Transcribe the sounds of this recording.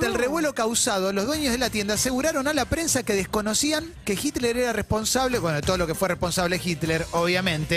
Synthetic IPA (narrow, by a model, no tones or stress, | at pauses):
t̪elreβwe̞lo̞kawsaðo̞lozðweɲozðelat̪je̞nd̪aːseɣuɾaɾo̞nalapɾe̞nsakeð̞ehko̞nosiaŋ | kexit̪leɾeɾarepo̞nsaβlebwenot̪oðolokefwerehpo̞nsaβlexit̪leɾoβ̞jamẽ̞nt̪e